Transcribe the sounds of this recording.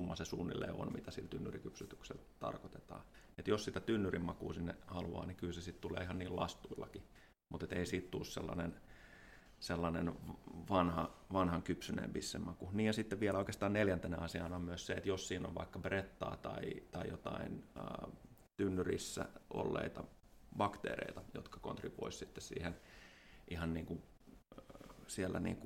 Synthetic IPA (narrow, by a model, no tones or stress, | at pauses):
umːɑsesuːnːḭlːḛːo̰nmit̪æsilt̪ynːyrikypsyt̪yksḛl | t̪ɑ̰rkot̪e̥t̪ɑ̰ː | et̪jossit̪æt̪ynːyrimmɑkuːsinːehɑluɑ̰ːnikylsesit̪t̪ulḛːihɑnniːllɑ̰st̪uilːɑki | mut̪et̪eisiːt̪t̪ulːssḛlːɑ̰nen | selːɑnenʋɑnhɑʋɑnhɑŋkypsynḛːmpisːemːɑkuniːjɑsit̪ːeʋʋiæloikeːst̪ɑːnneljænt̪enḛɑsiɑːnɑmmyøsseet̪jossiːno̰ʋʋɑ̰ikːɑbret̪ːɑ̰ːt̪ɑit̪ɑijot̪ɑinə | t̪ynːyrisːæ̰ʔo̰lːḛit̪ɑ | bɑkt̪ḛːrḛit̪ɑjo̰t̪kɑ̥ko̰nt̪ripoissit̪ːessḭːhen | ʔihɑnniːŋku | siælːʔæ̰nḭːŋku